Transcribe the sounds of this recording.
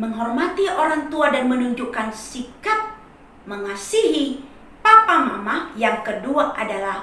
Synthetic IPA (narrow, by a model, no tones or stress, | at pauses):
məŋɦɔrmat̪ioɾaŋt̪uadanmənuɲd͡ʒukansikat̪̚ | məŋasiɦi | papamamahjaŋkəduaʔadalah